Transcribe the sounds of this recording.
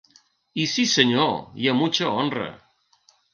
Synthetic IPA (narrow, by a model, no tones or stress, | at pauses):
isisəɲojamut͡ʃəonrə̰